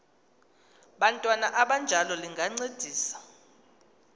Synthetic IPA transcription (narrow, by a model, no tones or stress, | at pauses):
ɓantʼwanaʔaɓand͡ʒʱalɔliŋɡʱaŋ͡ǀed̥ʱiːsḁ